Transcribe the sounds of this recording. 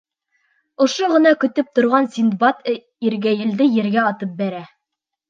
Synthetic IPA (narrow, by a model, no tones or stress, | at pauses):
ŏʃoʁɤ̆nɑkɵ̆t̪ɵp̚t̪ŏɾʁɑnsʲind̪bɑt̪ | iɾɡæjɘ̆ld̪ɘjɘ̆ɾɡæɑt̪ɤp̚bæɾæ